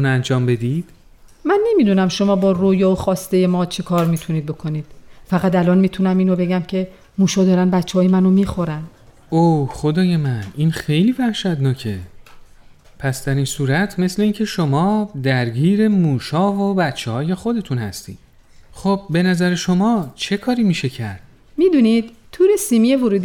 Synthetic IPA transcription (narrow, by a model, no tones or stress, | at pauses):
t̪ʰunænd͡ʒɒːmbe̞d̪id̪̥ | mænːe̞miːd̪unæmʃo̞mɒːbɒːroːjɒːoxɒːst̪e̞jemɒːt͡ʃʰekʰɒːɾmiːt̪ʰuniːd̪̚bo̞kʰo̞niːd̪̥fæɣæt̪ælɒːnmiːt̪ʰunæmiːnobe̞ɟæmcʰe̞ | muːʃɒːd̪ɒːɾænbæt̪t͡ʃʰːeɒːjemænomiːxo̞ɾæn | oχod̪ɒːje̞mæniːnxe̞jliːvæhʃæd̪nɒːcʰe̞ | pʰæsd̪æɾinsuːɾæt̪ʰme̞sle̞iːncʰe̞ʃo̞mɒːd̪æɾɟiːɾe̞muːʃɒːvobæt̪t͡ʃʰːehɒːje̞xo̞d̪e̞t̪ʰunhæ̰st̪ḭːd̪̥ | χob̚be̞næzæɾeʃo̞mɒːt͡ʃʰe̞kʰɒːɾiːmiːʃe̞cʰæɾd̪̥̚ | miːd̪unid̪̥ | t̪ʰːuːɾesiːmijevoɾuːd̪